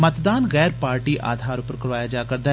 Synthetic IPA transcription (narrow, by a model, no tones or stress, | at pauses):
mət̪d̪aːnɣɛːɾpaːɾʈiːʔa̰ːd̪ʱaːɾʊpəɾkəɾʋaːjaːd͡ʒaːkəɾd̪aː